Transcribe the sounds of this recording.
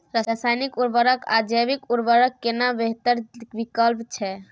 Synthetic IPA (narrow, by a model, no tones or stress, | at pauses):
ɾaasajnikuɾbəɾəka̰d͡ʒəbikuɾbəɾəkːenabeɦt̪əɾbikəlpt͡ʃʰɛ